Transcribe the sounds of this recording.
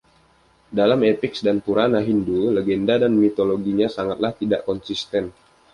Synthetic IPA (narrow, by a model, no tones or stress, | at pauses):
dalamepiksdanpuɾanaɦinduləɡɛndadanmit̪oloɡiɲasaŋat̪̚laht̪idaʔkɔnsist̪ɛn